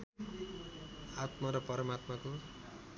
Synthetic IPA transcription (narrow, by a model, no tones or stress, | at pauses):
at̪mʌɾʌpʌɾʌmat̪mako